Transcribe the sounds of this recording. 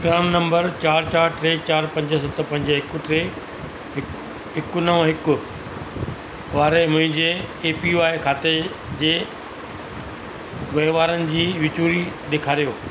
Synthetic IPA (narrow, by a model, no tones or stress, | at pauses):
ɡɾaːmnɐ̃mbəɾt͡ɕaːɾt͡ɕaːɾʈɾeːt͡ɕaːɾpɐ̃ɲd͡ʑs̬ɐt̪ʰpɐ̃ɲd͡ʑɦɪkʊ̆ʈɾeː | ɪ | ɦɪkʊnəʋɦɪkʊ̆ | ʋaːɾemʊ̃ɦɪ̃ɲd͡ʑeːpiʋaːekʰaːt̪e | d͡ʑeː | ʋɐɦɪʋaːɾənɪ̆d͡ʑiːʋɪt͡ɕuːɾiɗeːkʰaːɾijoː